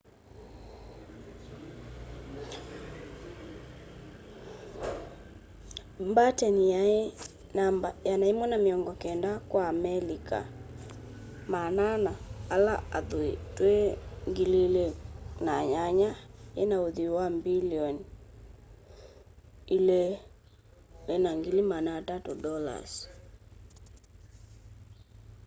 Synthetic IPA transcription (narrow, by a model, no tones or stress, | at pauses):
mbatɛnijae | nambajanaemɔnameɔŋɡɔkɛndakwaːmɛlika̰ | mananaːlaaðoḛtweŋɡililenaɲaɲaenaoðiwambiliɔn | ile | lɛnaŋɡilimanatatodɔla̰s